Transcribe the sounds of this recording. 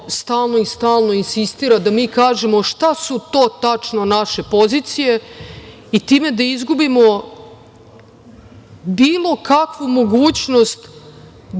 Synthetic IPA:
st̪aːlˠno̞ist̪aːlˠno̞insist̪iːɾad̪amiːkaːʒe̞mo̞ʃt̪asut̪o̞ːt̪at͡ʂnonaʃe̞po̞ziːt̪sije̞ | it̪iːme̞d̪aizɡubimo̞ | biːlˠo̞kakʋumo̞ɡuːt͡ɕno̞st̪

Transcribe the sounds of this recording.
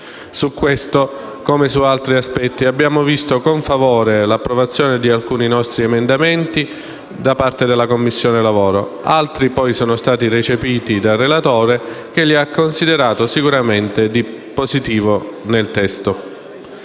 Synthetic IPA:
sukːwest̪o | komesualt̪ɾiaspɛt̪ːiabːjaːmovist̪okoɱfavɔːɾelapːɾovat̪sːjoːned̪ialkuːninɔst̪ɾiemend̪ament̪i | d̪apart̪ed̪elːakomːisːjoːnelavoːɾo | alt̪ɾipɔjsɔːnost̪aːt̪irit͡ʃepiːt̪id̪arːelat̪oːɾek̟eʎːiakːonsid̪eɾaːt̪osikuɾament̪ed̪ipozit̪iːvonelt̪ɛst̪o

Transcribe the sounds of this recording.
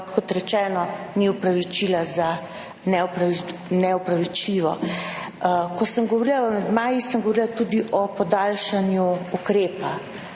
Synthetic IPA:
kːɔt̪ɾɛt͡ʃɛːnɔniupɾaʋit͡ʃilaza | nɛpɾnɛɔpɾaʋit͡ʃliʋɔ | kɔsəmɡɔʋɔɾilaəmɛd̪maːjisəŋɡɔʋɔɾilat̪uːd̪iʔɔpɔd̪aːlʃanjuukɾeːpa

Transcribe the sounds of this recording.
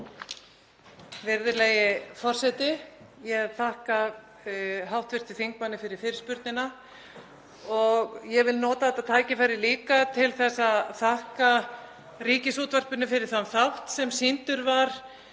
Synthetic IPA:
vɪɾðɪɾlɛjɪfɔr̥sɛjt̪ɪ | jɛɣaðθahka | ɦawht̪vɪɾ̥t̪ɪ̥θiŋk̚manːɪfɪɾɪɾ̥fɪɾɪɾspʏɾt̪nɪna | ɔɣjɛvɪlnɔːt̪aθɛt̪at̪ʰaːjcɪfajɾɪliːkat̪ʰɪlθɛsaðθahka | riːcɪsuːt̪var̥pʏnʏfɪɾɪɾ̥θamθawht̪sɛmsint̪ʏɾvaɾ̥

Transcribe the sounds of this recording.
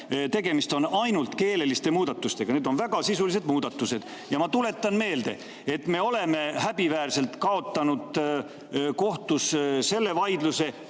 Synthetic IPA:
t̪e̞ɡe̞mist̪o̞nɑjnult̪ke̞ːle̞list̪e̞muːd̪̥ɑt̪ːˑust̪e̞ɡ̥ɑne̞ːd̪o̞nvæɡ̥ɑsisulis̬e̞d̪muːd̪̥ɑt̪ːˑuse̞d̪̥ | jɑmɑt̪ule̞t̪ːˑɑnme̞ːld̪e̞ | et̪ːme̞o̞le̞me̞hæb̥ivæːrse̞lt̪kɑo̞t̪ːˑɑnud̪̥ | ko̞ht̪usse̞lːe̞vɑjd̪luse̞

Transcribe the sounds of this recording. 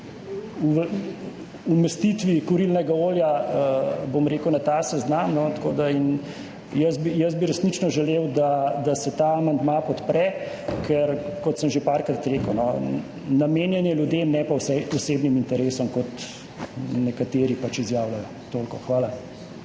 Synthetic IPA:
uʋ | umɛst̪it̪ʋikɔɾilnɛɡaoːljaəbomɾeːkəwnat̪aːsɛznamnɔt̪koːd̪ain | jəsbijəzbiɾɛsnit͡ʃnɔʒɛleːwd̪ad̪asɛt̪aːmand̪mapɔt̪pɾɛ | kʰɛɾkɔt̪səmʒepaːɾkɾat̪ɾeːkəwnɔ | nameːnjɛnjɛljud̪emnɛpawsɛɔseːbnimint̪ɛɾeːsɔmkɔt̪ | nɛkat̪eːɾipat͡ʃizjaːwlajɔ | t̪oːlkɔxʋaːla

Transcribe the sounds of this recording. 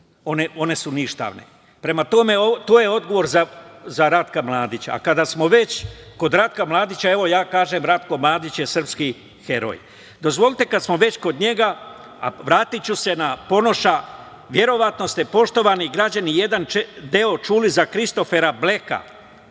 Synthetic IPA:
o̞neo̞ne̞suniʃt̪a̰ːʋnḛ | pɾe̞mat̪o̞me̞ot̪oːjeo̞d̪ɡo̞ʋo̞ɾzazaɾat̪kamlˠaːd̪it͡ɕa̰ːkad̪asmo̞ʋe̞t͡ɕko̞d̪ɾat̪̚kamlˠaːd̪it͡ɕae̞ʋo̞jaːkaːʒemɾat̪ko̞mlˠaːd̪it͡ɕjesr̩pski | xe̞ɾo̰j | d̪o̞zʋo̞lit̪e̞kad̪smo̞ʋe̞t͡ɕko̞d̪ɲe̞ɡa | a̰ʋɾaːt̪it͡ɕuse̞napo̞no̞ʃa | ʋje̞ɾo̞ʋat̪no̞st̪e̞po̞ʃt̪o̞ʋaniɡɾad͡ʑanije̞d̪ant͡ʃd̪eo̞t͡ʃuːlizakɾist̪o̞fe̞ɾable̞ka̰

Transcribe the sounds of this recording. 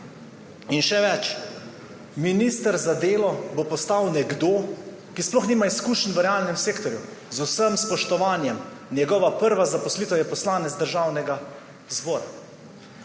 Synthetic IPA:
inʃɛʋɛt͡ʃ | minist̪əɾzad̪eːlɔbopɔst̪awnɛɡd̪oː | kisplɔxniːmaiskuːʃnʋəɾɛaːlnɛmseːkt̪ɔɾjuzusəmspɔʃt̪ɔʋaːnjɛm | njɛɡɔːʋapəɾʋazapɔsliːt̪əwjɛpɔslaːnɛzd̪əɾʒaːwnɛɡa | zbɔːɾa̰

